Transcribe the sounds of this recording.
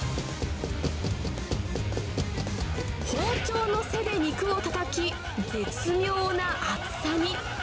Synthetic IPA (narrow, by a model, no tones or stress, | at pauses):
hoːt͡ɕoːno̞se̞d̪e̞ɲ̟ikɯ̟o̞t̪at̪akʲi | d͡ʑe̞t͡sɨmʲo̞ːnaʔat͡ssaɲʲi